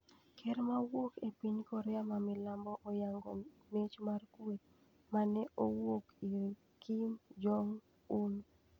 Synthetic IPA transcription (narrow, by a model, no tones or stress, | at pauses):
kʰɛɾmawokepiɲkɔɾɛamamɪlambɔʔojaŋɡo | met͡ʃmarkwet | manɛʔowokiɾ | kʰimd͡ʒɔŋ | un